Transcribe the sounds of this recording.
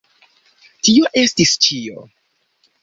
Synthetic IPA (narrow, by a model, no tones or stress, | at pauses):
tioʔe̞stist͡ʃio̞̰